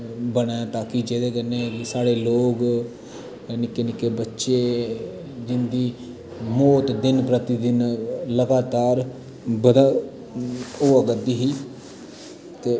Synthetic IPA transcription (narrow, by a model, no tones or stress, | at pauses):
bəɽ̃aːt̪ãːkɪd͡ʒeːd̪eːkənːeːsaːɽeːloːk | nɪkːeːnɪkːeːbətːʃeː | d͡ʒɪnd̪iː | mɔːt̪d̪ɪnpɾət̪ɪd̪ɪnləɡaːt̪aːɾ | bəd̪aː | oːəɡəd̪iːɦiː | t̪eː